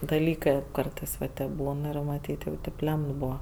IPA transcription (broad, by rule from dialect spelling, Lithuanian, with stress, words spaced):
dɐˈlʲiːkɜ ˈkɐrtɜs ʋɐ ˈtʲeːp ˈbuːn ˈɪr mɐˈtʲiːtʲ jɛʊ ˈtʲeːp ˈlʲɛmt ˈbʊʋɐ